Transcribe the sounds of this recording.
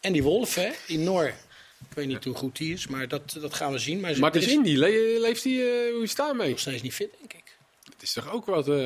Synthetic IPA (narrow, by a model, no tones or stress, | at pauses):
ɛndiʋolˠfɛdinɔɹ | ɪkʋejtnitɦuχutɦiɪsmaːɹdɔtdɑtχaːnʋəzinmaːmaɹdɪsɪndilelejftiuistaːmejɔχstejtsnitfɪt̚dɛŋkɪk | dɔtɪstɔχowkʋɔt